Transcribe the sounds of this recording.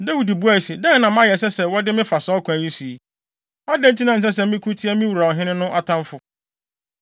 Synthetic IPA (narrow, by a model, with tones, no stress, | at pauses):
da˦wi˨di˨bu˦æ˨si˨dɛ̃˦˨nã˨mã˦jɛ˨s̬ɛ˦sɛ˨wɔ˦dɪ˦mɪ̃˦fa˨sɔː˦kʰʊ̃˨æ˨ɲĩ˦su˨i˨ | a˦dɛ̃˦n̩˦tʰi˦nã˨n̩˨s̬ɛ˦s̬ɛ˨mɪ̃˦kʰũ˦tʰi˦ɛ˦mɪ̃˦wu˨ɾa˨ɦɪ̃˦nɪ̃˦nʊ̃˦ʔa˨tʰã˦mfʊ˦